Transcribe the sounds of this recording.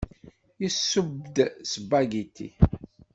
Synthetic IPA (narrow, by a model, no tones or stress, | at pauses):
jisːəbd̪səbaɡit̪ːḭ